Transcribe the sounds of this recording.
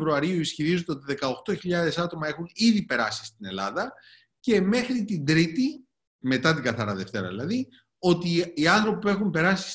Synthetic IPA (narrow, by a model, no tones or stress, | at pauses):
vɾuɐɾiuisçiɾizod̪eo̞t̪iðe̞kɐo̞xt̪o̞çiʎɐðe̞sɐt̪o̞mɐe̞xuniðipe̞ɾɐsi̥st̪ine̞lɐðɐ | ce̞me̞xɾit̪ind̪ɾit̪i | me̞t̪ɐt̪̬iŋɡɐθɐɾɐðe̞ft̪e̞ɾɐ̰ðilɐði | o̞t̪iːɐnθɾo̞pipe̞xumpe̞ɾɐsi̥s